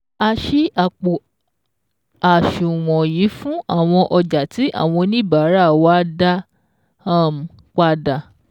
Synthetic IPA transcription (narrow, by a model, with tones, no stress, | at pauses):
a˧ʃi˦a˨k͡po˨ | a˨ʃu˨w̃ɔ̃˨ji˨˦fũ˦a̰˦˨w̃ɔ̃˧ʔɔ˧d͡ʒa˨ti˨˦ʔa̰˦˨w̃ɔ̃˧nĩ˦˨ba˨˦ɾa˦˨wa˦da˦ | a˦˨m̩˨ | k͡pa˧da˨